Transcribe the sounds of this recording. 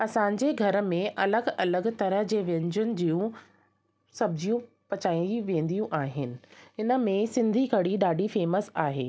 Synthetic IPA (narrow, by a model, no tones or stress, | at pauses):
ɐsãːɲ̆d͡ʑeɡʱɐɾə̆mẽʔɐləɡɐləɡt̪ɐɾəɦd͡ʑeːʋẽːɲd͡ʑʊnɪ̆d͡ʑiːjũ | sɐbɪd͡ʑijũ | pɐt͡ɕaːĩiʋẽːn̆d̪ijũʔaːɦɪnɪ̆ɪnə̆mẽsɪ̃nd̪ʱikʰɐɽiɗaːɖʱifeːməsaːɦeː